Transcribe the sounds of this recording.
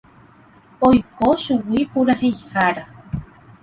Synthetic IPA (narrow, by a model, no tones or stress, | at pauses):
ojkoʃuwipuɾahejhaɾa